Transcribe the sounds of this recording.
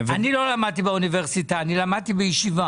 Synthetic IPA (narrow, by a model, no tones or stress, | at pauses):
vanilo̞lamad̪̚t̪̬ibeuniveʁsit̪aːnilamad̪̚t̪ibejeʃiva